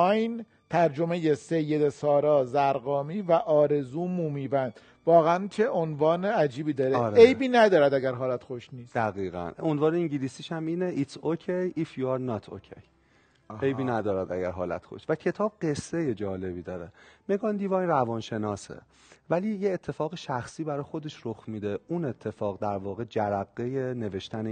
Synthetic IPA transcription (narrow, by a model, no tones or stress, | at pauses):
jn | t̪ʰæɾd͡ʒo̞me̞je̞se̞jːe̞d̪esɒːɾɒːzæɾɣɒːmiːvæʔɒːɾe̞zuːmuːmiːbænd̪̥ | vɒːɣeænt͡ʃʰeʔonvɒːneæd͡ʒiːbiːd̪ɒːɾeɾejbiːnæd̪ɒːɾæd̪æɡæɾɦɒːlæt̪xoʃniːsd̪æɣiːɣæ̰nonvɒːneiŋɟilisiːʃæmiːneʔit̪ocʰejifjɑɾnɒːt̪ʰo̰cʰḛj | ejbiːnæd̪ɒːɾæd̪æɟæɾɦɒːlæ̰t̪xo̰ʃt̪væcʰe̞t̪ʰɒːb̥̚ɢe̞sːe̞je̞d͡ʒɒːle̞biːd̪ɒːɾemeɡɒnd̪ivɒnrævɒnʃenɒːsḛ | væliːjeːt̪ʰːe̞fɒːɣeʃæxsiːbæɾɒːjexod̪e̞ʃɾoxmiːd̪eʔune̞t̪ʰːe̞fɒːɣd̪æɾvɒːɣe̞d͡ʒæɾæɣːeje̞ne̞ve̞ʃt̪æne